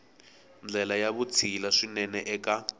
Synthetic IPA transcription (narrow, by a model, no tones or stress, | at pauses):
nd͡ɮɛlajaβut͡sʰilaʂinɛnɛʔɛka